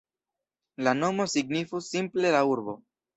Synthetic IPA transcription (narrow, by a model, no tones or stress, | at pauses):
lano̞mo̞siɡnifusimple̞lauɾbo̞̰